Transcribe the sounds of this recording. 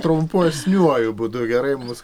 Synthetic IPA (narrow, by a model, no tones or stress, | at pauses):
t̪ɾʊmpusʲnʲuɔjʊbʊd̪ʊɡʲɛɾɐɪmms